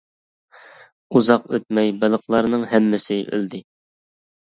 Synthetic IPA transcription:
uzɑqøt̪̚mɛjbɨlˠəqlˠɑɾnɨŋhɛmːɪsɪʔø̰ld̪ɪ

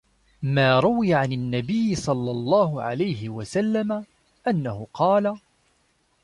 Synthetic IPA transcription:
maːɾˤʊwɪjaʕanɪnːabɪjːɪsˤɑlːɑlˤːɑːɦʊʕa̰lajhɪwasalːama | ʔanːahʊqʰɑːla

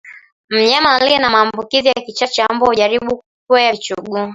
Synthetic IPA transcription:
m̩ɲamalinamaːmbukizijakit͡ʃat͡ʃambɔhuʄaɾiɓukukuɛat͡ʃuɡu

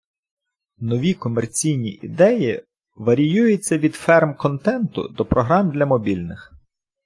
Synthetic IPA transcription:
nɔʋʲikɔmert͡sʲijnʲiʔḭd̪ɛji | ʋɐɾʲijujet͡sʲːɐʋʲid̪fɛrmkɔnt̪ɛnt̪ʊ̰d̪ɔpɾɔɦɾɑmd̪lʲɐmɔbʲilʲnɪx

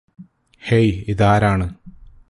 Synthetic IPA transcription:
hejiðaːɾaːɳɨ

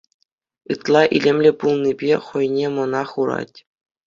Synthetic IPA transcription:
ɯt̪lˠɑʔilʲĕmʲlʲɘ̆pulˠnʲibʲeχɤ̆jnʲemɤ̆nɑχuɾɑ̰tʲ

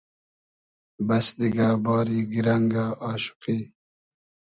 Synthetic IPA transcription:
bɐsd̪iɡaːbɑːɾiːɡiɾaŋɡaːʔɑːɕu̥qi

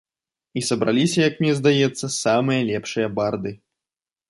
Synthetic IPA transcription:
isɐbɾa̰lʲisʲɐjɐkmnʲɛzd̪ajɛt̪sːɐsamɨjɐlʲɛpʂɨjɐbard̪ɨ

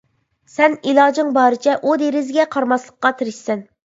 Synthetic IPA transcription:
sɛnilˠɑːd͡ʒɪŋbɑːɾɪt͡ʃʰɛʔud̪eɾɪzɡʲɛqʰɑɾmɑslˠəqqːɑt̪ʰɪɾɪʃsɛn

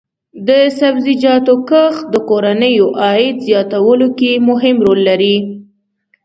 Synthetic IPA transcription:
d̪əsabzid͡ʒɑt̪okəxd̪əkoɾanəjoʔɑɪd̪zjɑt̪awəlokemʊɦɪmɾolːaɾi

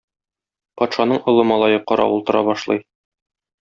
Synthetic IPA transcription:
pɒt̪ʃɑnɤɴŏlˠɤmɒlˠɑjɤqɒɾɑ̰ulˠt̪ɤ̆ɾɑ̰bɒʃlˠɤj

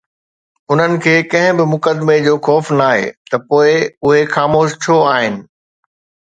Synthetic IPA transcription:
ʊn̤ənɪ̆kʰeːkɐ̃ɦɪ̃bɪmʊkəd̪med͡ʑoːxɔːfnaːɦḛːt̪ɐpoːɪʊɦexaːmoːʃt͡ɕʰoaːɦɪnɪ̆

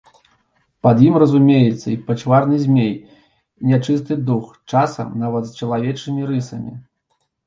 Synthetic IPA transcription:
pɐd̪jimrɐzumʲejɛt̪sːɐipɐt͡ʂvarnɨzʲmʲej | nʲat͡ʂɨst̪ɨd̪ux | t͡ʂasɐ̰mnavɐt̪st͡ʂɐlˠavʲɛt͡ʂɨmʲiɾɨsɐmʲḭ

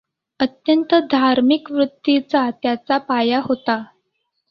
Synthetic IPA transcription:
ət̪jənt̪əd̪ʱaɾmikʋɾut̪ːit͡sat̪jat͡sapajaɦot̪a

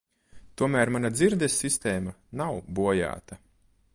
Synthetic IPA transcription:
t̪uɔmæːɾmanad̪ziɾd̪esːist̪ɛːma | nawbuɔja̰ːt̪ɐ

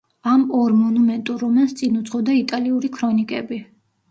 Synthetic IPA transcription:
amɔɾmɔnumɛnt̪ʼuɾɔmanst̪sʼinut̪sʰʼχɔd̪ait̪ʼaliuɾikʰɾɔnikʼɛ̰bi

